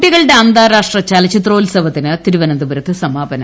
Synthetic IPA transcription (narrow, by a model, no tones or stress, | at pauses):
ʈːiɣɐɭɨɖeɐnd̪aːɾaːʂʈrɐt͡ɕaːlɐt͡ɕit̪roːlsɐʋɐt̪ːinɨt̪iɾuʋɐnɐnd̪ubɐɾɐt̪ːɨsɐmaːbɐnɐ